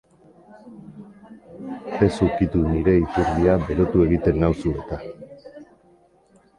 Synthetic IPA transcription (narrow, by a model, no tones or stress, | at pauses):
e̞sukit̪uniɾe̞it̪uɾβiabe̞ɾo̞t̪ue̞ɣit̪e̞nːawsue̞t̪a